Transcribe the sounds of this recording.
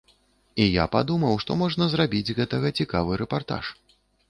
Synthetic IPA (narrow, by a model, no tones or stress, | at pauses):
ija̰pad̪umɐwʂt̪ɔmɔʐnɐzrabʲid͡zʲɣɛt̪ɐɣɐt͡sʲikavɨɾɛpart̪a̰ʂ